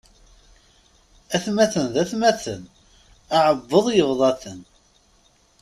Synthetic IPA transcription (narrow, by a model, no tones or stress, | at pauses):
æθmæθənðæθmæθən | ɑʕəbːəðˤjəvðˤɑθən